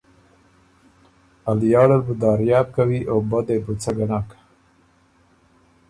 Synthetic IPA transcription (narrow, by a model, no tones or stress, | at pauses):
aljɑːɽəlbud̪aːɾjɑːb̚kawiʔoːbɐd̪ebut͡sʰaɡɐnaːkḁ